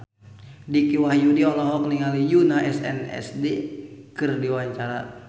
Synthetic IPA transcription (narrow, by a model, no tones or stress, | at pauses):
dikiwahjudiɔlɔɦɔk̚niŋalijunaʔɛsɛ̰nɛ̰sdekɨrdiwaɲt͡ʃaɾa